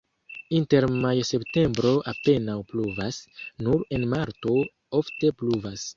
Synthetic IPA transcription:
inte̞ɾmajse̞pte̞mbɾo̞ʔape̞nawpluvasnuɾe̞nmaɾto̞ | o̞fte̞pluvas

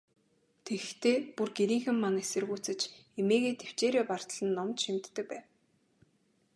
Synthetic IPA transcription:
t̪ʰeɣɘ̆xt̪ʰeːpurɡeɾiːŋxɘ̆mːanesɘ̆rɣuːt͡sɘ̆t͡ɕemeːɣeːt̪ʰew̥t͡ɕeːɾeːpar̥t̪ə̆ɮə̆nːɔmt̪ʃimt̪ːɘ̆k̚pæːw

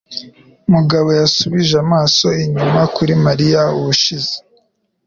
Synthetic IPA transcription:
muɡaβo̞jasuβiʒamaːso̞iɲumakuɾimaɾijauβuʃize̥

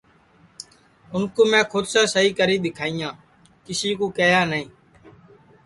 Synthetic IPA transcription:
ʊnkoːmɛ̃ːkʰʊd̪sãːsəɦiːkəɾiːɗ̪ɪkʰaːijãː | kɪsiːkoːkeːjaːnəĩː

